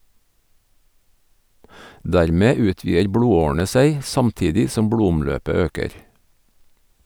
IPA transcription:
ˈdæɾˌmeː ˈʉːˌtʋiːəɾ ˈbɽuːˌoːɳ̩ə ˈseɪ ˈsɑmˌtiːdɪ ˈsɔm ˈbɽuːʊmˌløːpə ˈøːkəɾ

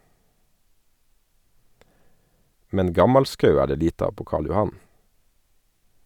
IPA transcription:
ˈmɛn ˈɡɑmɑlˌskɑʉ ˈæː ˈɖeː ˈliːt ˈɑːʋ ˈpoː ˈkɑːɭ jʊˈhɑn

